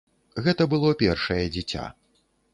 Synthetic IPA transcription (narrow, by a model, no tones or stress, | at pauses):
ɣɛt̪ɐbɨlˠɔpʲɛrʂɐjɐd͡zʲit͡sʲa̰